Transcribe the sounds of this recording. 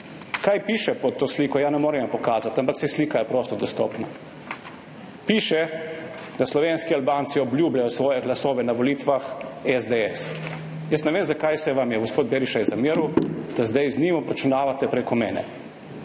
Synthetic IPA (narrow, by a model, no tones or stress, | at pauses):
kajpiːʃɛpɔt̪ːoːsliːkɔjanɛmoːɾɛmʋampɔkaːzat̪ampaksɛsliːkajɛpɾoːst̪ɔd̪ɔst̪ɔːpna | piːʃɛ | d̪̥aslɔʋeːnskialbaːnt̪siɔblʲjuːblajɔsʋɔːjɛɡlasoːʋɛnaʋɔliːt̪ʋaxɛzd̪eɛs | jəsnɛʋeːmzakajsɛʋamjɛɡospoːd̪beɾiʃajɛzamiːɾud̪̥azd̪ajzniːmɔpɾt͡ʃɛnaːʋat̪ɛpɾekɔmɛːnɛ̰